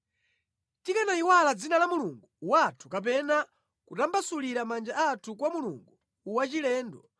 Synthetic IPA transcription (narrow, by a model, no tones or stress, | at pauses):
tikanaiwalad͡zinalamuluŋɡuwatʰu̥kap̬ɛna | kutambasuliɾamand͡ʒaatʰukwamulṵŋɡuː | wat͡ʃilɛːndɔ